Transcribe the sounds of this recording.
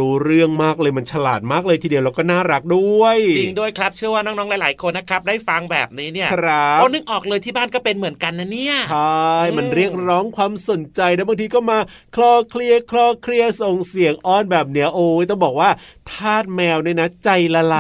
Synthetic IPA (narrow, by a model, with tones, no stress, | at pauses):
uː˦˥ɾɯ˥˩əŋmaː˥˩k̚lɤː˧jma˧nt͡ɕʰa˧laː˨˩t̪̚maː˥˩k̚lɤː˧jt̪ʰiː˧di˧əwlɛ˧wkɔː˥˩naː˥˩ɾa˦˥k̚du˥˩əjt͡ɕi˧ŋdu˥˩əjkʰɾa˦˥p̚t͡ɕʰɯ˥˩əwaː˥˩nɔː˥ŋnɔː˦˥la˨˦laː˩˦jkʰo˧nːa˦˥kʰɾa˦˥p̚daː˥˩jfa˧ŋbɛː˨˩p̚niː˦˥ni˥˩ɐkʰɾa˦˥o˧nɯ˧˩ŋʔɔː˨˩k̚lɤː˧jt̪ʰiː˥˩baː˥˩nkɔː˥˩pe˧nmɯ˩˦ənka˧nːa˦˥ni˥˩ɐt͡ɕʰa˥jma˧nɾi˥˩ək̚ɾɔː˦˥ŋkʰwaː˧mso˨˩nt͡ɕa˧jna˦˥baː˧ŋt̪ʰiː˧kɔː˥˩maː˧ | kʰlɔː˧˥˩kʰli˥˩əkʰlɔː˥˩kʰli˥˩əso˨˩ŋsi˨˩˦əŋʔɔː˥˩nbɛː˨˩p̬̚ni˦˥ɐʔoː˧˦jt̪ɔ˥˩ŋbɔː˨˩k̚waː˥˩t̪ʰaː˥˩t̪̚mɛː˧wnaː˥˩na˦˥t͡ɕa˧jla˧la˧˩